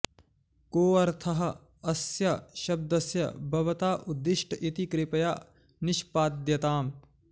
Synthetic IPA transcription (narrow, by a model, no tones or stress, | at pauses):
koːɐɾt̪ʰɐɦɐ̆ | ɐsjɐʃɐb̚d̪ɐsjɐ̰bʱɐʋɐt̪aːʔud̪ːɪʂʈʰɐʔit̪ikɾɪpɐjaː | nɪʃpaːd̪jɐt̪aːm